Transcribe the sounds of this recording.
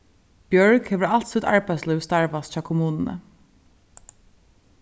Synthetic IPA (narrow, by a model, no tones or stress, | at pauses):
b̥jœɹkhɛʋəalt̪sət̪a̰ɹbæɪslœst̪aɹʋast̪t͡ʃɑːkʰʊmuːnnə̰